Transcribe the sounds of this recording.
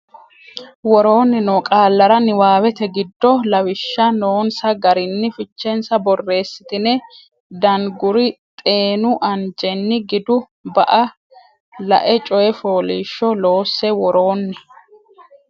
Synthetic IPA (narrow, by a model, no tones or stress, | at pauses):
wɔɾo̞ːnːɪnɔkʼaːlːɐɾɐnɪwaːwɛt̪ɛɡɪd̪ːɔlɐwɪʃːɐnoːnsɐɡɐɾɪnːɪfɪt͡ʃːɛnsɐbɔrːe̞ːsːɪ̥t̪ɪnɛ | d̪ɐnɡʊɾɪt̪ʼe̞ːnʊʔɐnd͡ʒʼɛnːɪɡɪd̪ʊ | bɐ̰ʔɐ | lɐ̰ʔɛt͡ʃʼɔjɛfoːliːʃːɔlo̞ːsːɛwɔɾo̞ːnːɪ